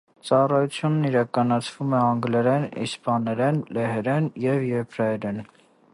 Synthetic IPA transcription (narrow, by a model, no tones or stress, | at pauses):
t͡sɑrɑjut͡sʰjunːiɾɑkɑnɑt͡sʰvumɛɑŋɡlɛɾɛnḭspɑnɛɾɛnlɛhɛɾɛnjɛvjɛpʰɾɑjɛɾɛn